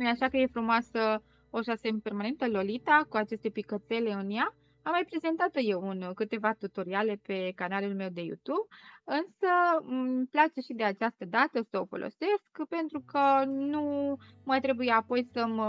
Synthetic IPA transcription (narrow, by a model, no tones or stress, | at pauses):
jaʃakəje̞fɾumoasə | oʒasempe̞rmane̞nt̪əlo̞lit̪akuat͡ʃe̞st̪e̞pikət̪se̞le̞ɨnjaː | mːajpɾe̞ze̞nt̪at̪əje̞wunkɨt̪e̞vat̪ut̪o̞ɾiale̞pe̞kanalulme̞wd̪e̞jṵt̪ubɨnsəmplat͡ʃe̞ʃid̪e̞at͡ʃast̪əd̪at̪əsəo̞fo̞̰lʔo̰se̞skpe̞nt̪ɾukənu | majt̪ɾe̞bujeapo̞jsəm